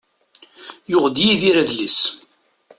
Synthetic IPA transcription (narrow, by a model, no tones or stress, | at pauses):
jʊʁd̪jiðiɾæðlis